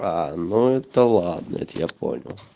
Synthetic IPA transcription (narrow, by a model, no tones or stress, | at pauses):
ɑːnːoet̪ːælɑːd̪nḛt̪jɑpo̰nʲo